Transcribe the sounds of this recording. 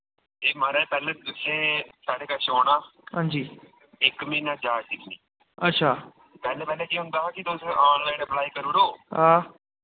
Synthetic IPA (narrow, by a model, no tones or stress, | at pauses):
eːmaɾẽːpɛːleːd̪ʊsẽːsaːɽeːkəʃoːnaːɦãːnd͡ʒiː | ɪkmĩːnãːd͡ʒaːdɪkniː | ətːʃʰaː | pɛːleːpɛːleːkiːɦʊ̃nd̪aːɦaːkɪt̪ʊsẽʔaːnlaːinebəlaːiːkəɾuːɽoːɦaː